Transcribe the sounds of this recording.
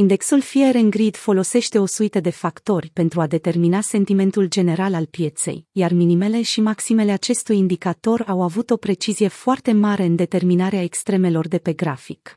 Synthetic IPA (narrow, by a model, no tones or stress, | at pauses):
ind̪e̞ksulfieɾeŋɡɾid̪fo̞lo̞se̞ʃt̪e̞o̞suit̪əd̪e̞fakt̪o̞rʲpe̞nt̪ɾuad̪e̞t̪e̞rminase̞nt̪ime̞nt̪uld͡ʒe̞ne̞ɾalalpje̞t̪se̞̰jjarminime̞le̞ʃimaksime̞le̞at͡ʃe̞st̪ujind̪ikat̪o̞ɾawavut̪o̞pɾe̞t͡ʃizije̞foart̪e̞maɾe̞ɨnd̪e̞t̪e̞rminaɾeaekst̪ɾe̞me̞lo̞rd̪e̞pe̞ɡɾafikk